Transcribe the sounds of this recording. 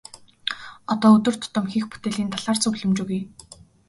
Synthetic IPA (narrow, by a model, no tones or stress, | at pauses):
ɔt̪ɔːɵt̪ɵ̆r̥t̪ʰʊ̥t̪ə̆mxixpu̥t̪eːɮiːnt̪ʰaɮaːrt͡sɵɣɮɵ̆mt͡ɕɵɣuj